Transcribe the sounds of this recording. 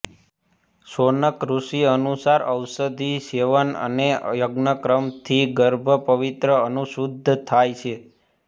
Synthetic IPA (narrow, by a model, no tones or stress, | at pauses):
sonəkɾusiənusaɾəwsəd̪ʱiseʋənə̰nejəɡnəkɾəmt̪ʰiɡəɾbʱəpəʋit̪ɾəənuʃud̪ʱt̪ʰajt͡ʃʰe